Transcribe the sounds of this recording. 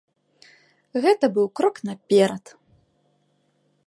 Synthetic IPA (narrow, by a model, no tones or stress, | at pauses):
ɣɛt̪ɐbɨwkɾɔknɐpʲɛɾɐt̪